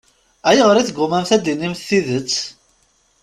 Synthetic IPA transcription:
æjəʁəɾiθɡːʊmæmθæd̪inːimθθiðət͡sː

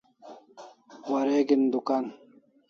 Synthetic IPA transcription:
wɐɾeɡind̪ukan

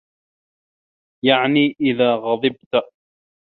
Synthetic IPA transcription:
jaʕniːʔɪðaːɣɑðˤɨb̚t̪

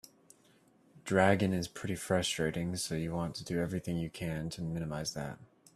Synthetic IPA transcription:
d̥ɹæɡɨ̃nɨz̥pʰɹ̥ɪɾifɹʌstɹ̥eɪɾɪ̃ŋsoʊjɨwɑ̃ntʰɨdɨɛvɹiθɪ̃ŋjɨkʰɨ̃ntʰɨmɪ̃ñɨmaɪzðæ̰t̚

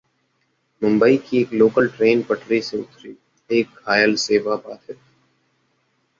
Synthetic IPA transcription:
mʊ̃mbəikieːkloːkəlʈɾeːnpəʈɾiseʊ̰t̪ɾiː | eːkhaːjəlseːʋabaːt̪ɦɛː

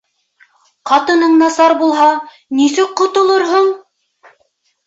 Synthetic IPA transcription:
qɑt̪ɤ̆nɤɴnɑsɑɾbulˠɦɑ | nisɘk̚qŏt̪ŏlˠɤɾɦoɴ

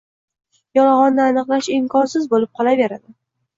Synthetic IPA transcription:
jɒlaʁɒnːɪanɨqlˠaʃɪmkʰɒnsɪzbolɪp̚qʰɒlave̞ɾad̪ɪ

